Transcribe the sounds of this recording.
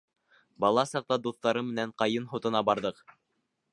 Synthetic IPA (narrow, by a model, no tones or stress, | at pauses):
bɑlˠɑsɑq̚t̪ɑd̪uθt̪ɑɾɤmɘ̆næɴqɑjɤnɦŏt̪ɤ̆nɑbɑɾðɤq